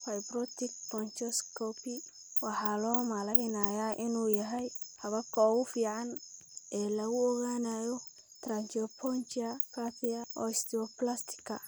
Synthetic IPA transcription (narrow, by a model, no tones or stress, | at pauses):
fɐjbrɔt̪ɪk̚pɔnt͡ʃɔskʰɔpɪ | wɑħɑːlɔːmalɛjnaːjaːʔɪnuːjɐɦɛjhɐβɐkʰɔɣʊfiːʕɑn | ɛːlɐɣʊɔɣaːnaːjɔ | t̪ʰrant͡ʃɔpʰɔnt͡ʃiɐkʰapiɐɔ̰ːɪst̪ɪɔplast̪ʰɪ̥kʰːɐ̰